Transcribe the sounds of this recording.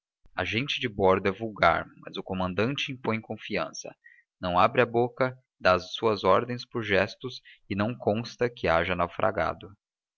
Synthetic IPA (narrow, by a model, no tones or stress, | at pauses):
ɐ̰ʒẽnt͡ʃɪd͡ʒɪbɔɾd̪ʊɛvuwɡa̰ɾmɐ̰zʊkomɐ̃nd̪ɐ̃nt͡ʃɪĩmpõj̃kõfiɐ̃sɐ̰ | nɐ̃w̃abɾɪɐbokɐ | d̪azsuɐzɔɾd̪ẽj̃spʊɾʒɛst̪ʊsɪnɐ̃w̃kõst̪ɐkɪaʒɐnawfɾʔa̰ɡa̰d̪ʊ